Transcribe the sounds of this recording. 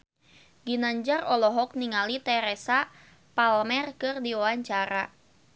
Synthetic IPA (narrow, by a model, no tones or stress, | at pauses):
ɡinaɲd͡ʒarɔlɔɦɔk̚niŋalit̪ɛɾɛsa | palmɛrkɨrdiɔwaɲt͡ʃaɾa